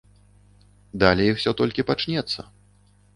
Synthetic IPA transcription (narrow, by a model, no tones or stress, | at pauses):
d̪alʲɛjixw̥sʲɔt̪ɔlʲkʲipat͡ʂnʲɛt̪sːɐ